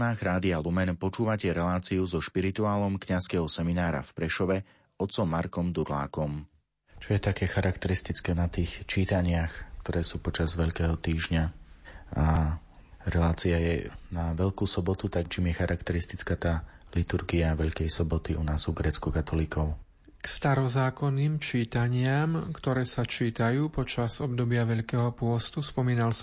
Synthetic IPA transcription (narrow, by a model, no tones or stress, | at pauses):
naːɣɾaːd̪ialumɛnpɔt͡ʃuːʋacɛɾɛlaːt͡siuzɔʃpiɾit̪uaːlɔmkɲaskɛɦɔsɛminaːɾa̰fpɾɛʃɔʋɛ | ɔt̪t͡sɔmːaɾkɔmd̪uɾla̰ːkɔm | t͡ʃɔjɛt̪akɛːxaɾakt̪ɛɾist̪it͡skɛːnat̪iːxt͡ʃiːt̪aɲɪaxk̚t̪ɔɾɛːsuːpɔt͡ʃazʋɛʎkɛːɦɔt̪iːʒɲa | a | ɾɛlaːt͡siajɛnaʋɛʎkuːsɔbɔt̪ut̪ak̚t͡ʃimjɛxaɾʔakt̪ɛɾist̪it͡skat̪aːlit̪uɾɡiaʋɛʎkɛjsɔbɔt̪iunaːzuɡɾɛːt͡skukat̪ʰɔlikɔʊ | kst̪aɾɔzaːkɔnːiːmt͡ʃiːt̪aɲɪamkt̪ɔɾɛːsat͡ʃiːt̪ajuːpɔt͡ʃazɔb̚d̪ɔbɪaʋɛʎkɛːɦɔpʊɔst̪uspɔmiːnals